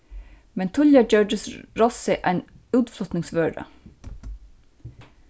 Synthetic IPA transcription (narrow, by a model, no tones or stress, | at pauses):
mɛnt̪ʰʊʎjəd͡ʒœːɖəsɾɔsɪʔæɪn | ʉːt̪flɔt̪nɪŋsʋøːɖə̰